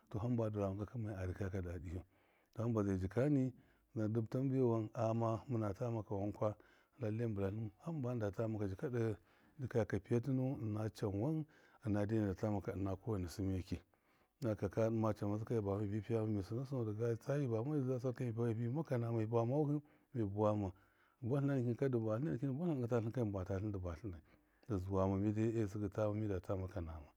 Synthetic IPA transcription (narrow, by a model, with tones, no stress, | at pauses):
to˨ɦa˦mba˨du˨ɾa˨a˨ŋka˨kə˦ma˨i˨a˨ɾi˨ka˦ka˨da˨di˨ju˦ | to˨ha˦mba˨za˨d͡ʒi˨ka˦ni˦ | za˨du˦bta˦m˦bi˦˨wa˦na˨ma˦mu˦na˨ta˦ma˨ka˨wa˦ŋkʷa˦˨ | la˦li˦mbla˨lu˦m˨ha˦mba˦n˦da˨ta˦ma˨ka˨d͡ʒi˨ka˦də˦ | di˦ka˦˨ka˨pi˦ja˦ti˦nu˦˨na˦t͡ʃa˨nwa˦n | ə˨na˨de˦˨da˨ta˦ma˨ka˨na˨ku˦wa˨ni˨si˦mi˦˨ki˨˦ | na˨ka˨ka˦dma˦t͡ʃa˨ma˨˦s̬i˦ka˦i˨ba˨ma˦˨bi˦pi˦ja˦ma˦mi˨su˨na˦s̬u˦n˨da˨ɡa˦˨t͡sa˦ji˦ba˨˦ma˦i˦a˦s̬a˦ka˦m˨˦a˦˨bi˦ma˦ka˨na˨ma˨i˨bʷa˦ma˦hi˦ | mi˨bu˨wa˦ma˨ | bʷa˦ɬna˦n˨ki˦n˨ka˦du˨ba˨ɬi˦a˦˨n˨ki˦n˦bʷa˦ɬɡə˨ta˦ɬi˦ŋka˦i˦mbʷa˨ta˨ɬi˦n˦də˨ba˨ɬi˦na˨i˨ | da˨zu˨wa˨ma˨mi˦di˦e˦˨s̬i˦ɡə˨ta˦ma˨mi˦da˨ta˦ma˨ka˨na˨ma˨